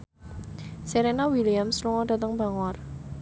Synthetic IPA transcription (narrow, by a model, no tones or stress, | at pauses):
seɾenawiliamsluŋɔdat̪əŋbaŋɔr